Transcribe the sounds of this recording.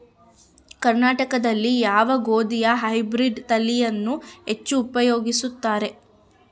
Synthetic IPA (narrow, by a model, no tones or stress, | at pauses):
kɐɾnaːʈɐkɐd̪ɐlːijaːʋɐɡoːd̪ijɐɦɐjbɾiɖt̪ɐlijɐnːuɦe̞t͡ʃːuːpɐjo̞ːɡisut̪ːaːɾe̞